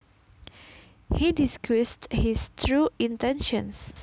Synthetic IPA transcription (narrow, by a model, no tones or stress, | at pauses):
hidiskʰɹisthist̪ʰɹuĩntɛ̃nʃɔ̰̃ns